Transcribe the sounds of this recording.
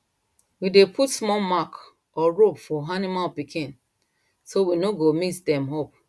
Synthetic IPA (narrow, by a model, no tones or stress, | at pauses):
widepʰutsmɔmak | ɔɹobfɔanimalpikĩn | sowinoɡomitdɛ̃mɦop